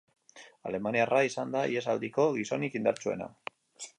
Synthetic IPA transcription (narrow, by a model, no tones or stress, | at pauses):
a̰le̞maniaraisand̪aie̞sald̪iko̞ɣiso̞nikind̪aɾt͡ʃue̞̰na̰